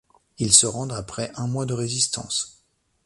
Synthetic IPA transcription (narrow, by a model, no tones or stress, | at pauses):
ilsəʁɑ̃d̪ʁapχɛʔɛ̃mwad̪əʁezist̪ɑ̰̃s